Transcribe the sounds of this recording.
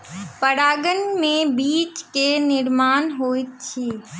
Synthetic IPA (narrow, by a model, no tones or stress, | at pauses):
pəɽaːɡənmẽbiːt͡ʃkenɪɾmaːnɦoːɪt̪̚t͡ʃʰiː